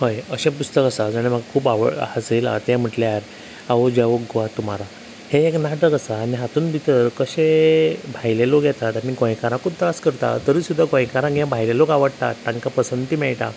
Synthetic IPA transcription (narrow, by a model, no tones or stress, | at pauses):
hojəɕẽpust̪əkasad͡zəɽ̃em̤əɡakʰuːpaʋə̰at͡sela̰t̪jɛ̃m̤əʈljaɾ | aʋod͡ʑaʋokɡoʋat̪ːum̤aɾa | heːknaʈəkəsaːniɦat̪uːnbʱit̪əɾkəɕebʱajlelokjɛt̪at̪aɽiɡõj̃kaɾãkʰup̚t̪əaskəɾt̪a̰t̪əɾiːsud̪ʱːaɡõjkaɾãɡjãbʱajlelokaʋəɽt̪a̰t̪ːãŋkapəsənd̪t̪imɛɭʈ̪a̰